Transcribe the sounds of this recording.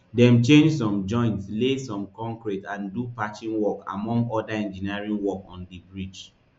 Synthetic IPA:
dɛ̃mt͡ʃẽnd͡ʒsɔ̃md͡ʒɔ̃ɪ̃ntslesɔ̃mkɔ̃ŋkɹitãndupat͡ʃĩŋwɔka̰mɔ̃ŋɡɔdaɛ̃nd͡ʒiniɹĩŋwɔkɔ̃ndibɹit͡ʃ

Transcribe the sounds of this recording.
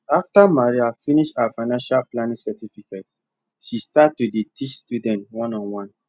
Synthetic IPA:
aftamaɹiafiniʃafaɪnãnʃalplanĩŋsɛtifiket̚ | ʃistatːudetʰit͡ʃstudɛ̃ntwɔ̃nɔ̃nwɔ̃n

